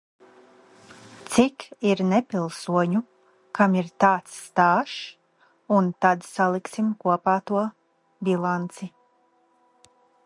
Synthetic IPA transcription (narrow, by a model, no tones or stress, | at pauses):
t̪sikiɾnepʲilˠsuɔɲu | kamiɾt̪aːt̪sːt̪aːʃ | unt̪ad̪salˠiksimkuɔpaːt̪uɔ | bilˠant̪si